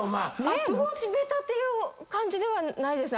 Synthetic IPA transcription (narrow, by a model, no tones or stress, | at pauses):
manemot͡ɕibeːt̪aːt̪ːe̞jɯ̟ːkãɲ̟d͡ʑid̪e̞βanaid̪e̞sɨn